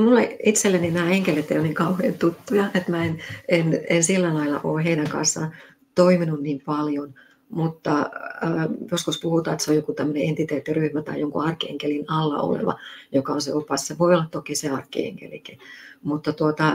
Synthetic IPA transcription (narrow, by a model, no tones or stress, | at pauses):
mulːeit̪selːæninæːeŋkelet̪eijoniːŋkɑuhḛːnt̪ut̪ːujɑʔet̪mæenenensilːælɑilːɑ̰ʔoːheinæŋkɑ̰nsːɑ̰n | t̪oiminunniːmpɑljon | mut̪ːɑː | joskuspuhut̪ɑːet̪seojokut̪æmːøneent̪it̪eːt̪ːiryhmæt̪ɑ̰ijoŋkṵɑrkːˑiḛŋkelinɑlːɑ̰o̰lḛʋɑ̰jokɑonsḛopɑsseʋoiolːɑt̪t̪okiseɑrkːḭḛŋkḛliki̥mut̪ːɑt̪uot̪ɑ